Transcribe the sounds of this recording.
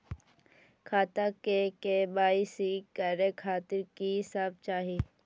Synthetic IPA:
kʰaːt̪akekebaːisiːkːəɾekʰaːt̪ɪɾkisaːb̚t͡ʃaːɦiː

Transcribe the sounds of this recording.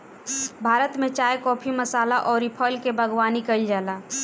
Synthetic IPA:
bʱaːɾət̪mẽt͡ʃaːjkɔːpʰiməsaːlaʔɔːɾipʰɔːlkebʱəɡwaːnikəld͡ʒaːlaː

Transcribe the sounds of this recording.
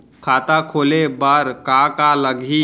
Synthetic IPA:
kʰaːt̪akʰoːlebəɾkakaləɡʱi

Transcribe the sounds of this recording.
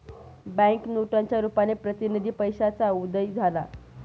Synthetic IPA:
bɛ̃ŋknuʈaɲt͡ɕjaɾupanepɾət̪inid̪ʱiːpəjɕat͡saud̪əjd͡zʱala

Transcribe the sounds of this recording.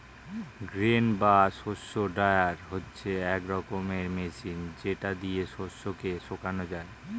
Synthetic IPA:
ɡɾenbaʃoʃːoɖaeaɾɦotːɕʰeɛkɾɔkomeɾmeʃind͡ʑeʈad̪ieʃoʃːokeʃokanod͡ʑae

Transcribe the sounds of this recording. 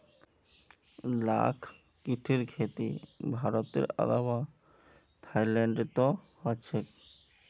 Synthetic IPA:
la̰kʰ | kiʈʰeɾkʰet̪ibʱaɾot̪ḛɾa̰lawa | t̪ʰajlɛɳɖet̪ohɔet͡ɕʰek

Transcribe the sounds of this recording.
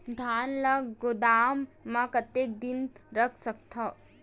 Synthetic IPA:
d̪ʱaːnlɐɡɡʊd̪aːmːãkɐt̪ːed̪inɾɐkʰsɐk̚t̪ʰa

